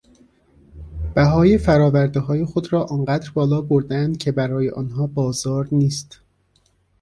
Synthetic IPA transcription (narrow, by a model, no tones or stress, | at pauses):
b̥æɦɒːjefæɾɒːvæɾd̪eɦɒːje̞xod̪ɾɒːʔɒːnɢæːd̪ɾbɒːlɒːboɾd̪eænd̪̥̚cʰe̞bæɾɒːjḛʔɒːnɦɒːbɒːzɒːɾniːst̪